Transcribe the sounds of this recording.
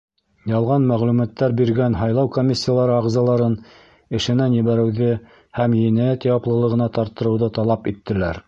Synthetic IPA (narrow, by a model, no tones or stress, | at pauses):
jɑlˠʁɑnmæʁlʉmæt̪ːæɾbiɾɡænɦɑjlˠɑwkomʲisʲːijalˠɑɾɤɑʁzɑlˠɑɾɤn | ɘ̆ʃɘ̆nænjɘ̆βæɾɘ̆wðɘ | hæmjinæt̪jɑplˠɤ̆lˠɤ̆ʁɤ̆nɑt̪ɑɾt̪ːɤ̆ɾɤ̆wðɤt̪ɑlˠɑpit̪ːɘ̆læɾ